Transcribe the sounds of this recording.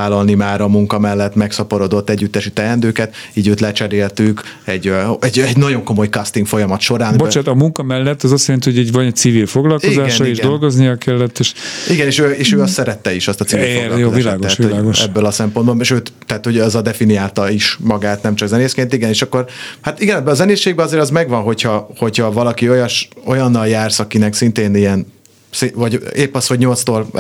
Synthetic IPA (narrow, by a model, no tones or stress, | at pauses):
aːlɒlnimaːɾɒmuŋkɒmɛlːɛt̪ːmɛksɒpo̞ɾod̪o̞t̪ːɛɟːyt̪ːɛʃit̪ɛɛnd̪øːkɛt̪ | iːɟøːt̪lɛt͡ʃɛɾeːlt̪yk | ɛɟɛɟɛɟnɒɟo̞ŋko̞mo̞jkɒst̪iŋkfo̞jɒmɒt̪ʃo̞ɾaːnbot͡ʃaːt̪ɒmuŋkɒmɛlːɛt̪ːɒzɒsjɛɾɛnihoɛɟvɒnɛt̪sivilfoɡlɒlkoiɡzaːʃɔeʒdolɡo̞znijɒkɛlːɛt̪ːeːʃiɡɛneːʃøːeːʃøːɒsɛɾɛt̪ːɛiʃɒst̪ɒtt͡sivilfojozaiʃlaːɡoɛʃːholaːɡoʃɛ̰bːølɒsɛmpo̞nd̪bolmɛʃøːt̪t̪ːɛat̪ho̞ɟɛzɒd̪ɛfinijaːlt̪ɒiʃmɒɡaːt̪nɛmt͡ʃɒɡzɛneːskeːnt̪iɡɛneːʃɒkːo̞rhat̪iɡɛnɛbːɛɒzɛneːsːeːɡ̚bɛɒzeːɾɒzmɛɡvɒnɦo̞chɒho̞chɒvɒlɒkio̞jɒʃo̞jɒnːɒljaːrsɒkinɛksint̪eːnijɛn | sivɒɟeːpːɒsho̞ɟɲo̞lt̪st̪oːl